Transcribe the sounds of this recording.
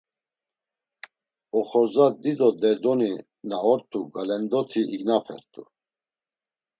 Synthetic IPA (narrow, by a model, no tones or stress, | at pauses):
ɔχɔzad̪id̪ɔd̪ɛɾd̪ɔni | naɦɔɾt̪ʰʼuɡalɛnd̪ɔt̪ʰiiɡnapʰɛ̰ɾt̪ʰʼṵ